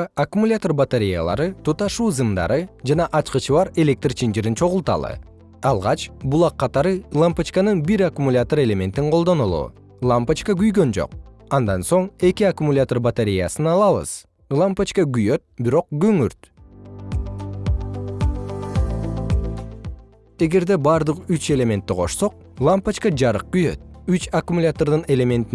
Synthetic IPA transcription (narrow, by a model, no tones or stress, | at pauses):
akumulʲat̪o̞rbat̪eɾʲija̰lˠɑ̰ɾɯt̪ʰut̪ɑʃuːzɯmd̪ɑ̰ɾɯd͡ʒɑnɑʔɑt͡ʃqɯt͡ʃʰɯβɑɾe̞lʲe̞k̚t̪rt͡ʃʰind͡ʒiɾint͡ʃʰo̞ʁʊlˠt̪ɑ̰lˠɯ̰ | ɑlˠʁɑt͡ʃbulˠɑqʰːɑt̪ɑɾɯlˠampat͡ʃkanɯnbiɾakumulʲat̪oɾe̞lʲe̞mʲe̞nt̪iɴqʰo̞lˠd̪o̞nulˠṵː | lˠampat͡ʃkaɡyjɡø̞nd͡ʒo̰qɑnd̪ɑnso̞ɴe̞kiakumulʲat̪o̞rbat̪eɾʲija̰sɯnɑlˠɑβɯ̰z̥ | lˠampat͡ʃkaɡyjø̞t̪̚biɾo̞q̚ɡøŋyɾt̪ | e̞ɡe̞ɾd̪e̞bɑɾd̪ɯqyt͡ʃe̞lʲe̞mʲe̞nt̪ːiqʰo̞̰ʃso̞q̚ | lˠampat͡ʃkad͡ʒɑɾɯq̚ɡ̥yjø̞̰t̪̚yt͡ʃakumulʲat̪ord̪ɯne̞lʲe̞mʲe̞nt̪i